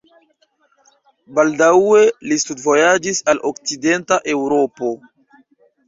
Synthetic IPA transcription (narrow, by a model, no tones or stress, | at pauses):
baldawe̞listudvo̞jad͡ʒisalʔok̚t͡side̞ntaʔe̞wɾo̞po̞